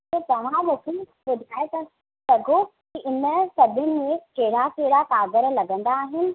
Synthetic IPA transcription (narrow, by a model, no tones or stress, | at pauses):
et̪ɐʋ̤ãmʊkʰe | ɓʊd̪ʱaːet̪ɐ | sɐɡʱokiʔɪnə̆sɐbʱʊnɪ̆mẽkeɦɪɽakeɦɽakaːɡəɾlɐɡə̃nd̪aːɦɪnɪ̆